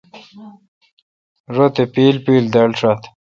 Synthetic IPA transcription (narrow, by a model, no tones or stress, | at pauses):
ʐot̪epiːlpiːld̪elʈ͡ʂat̪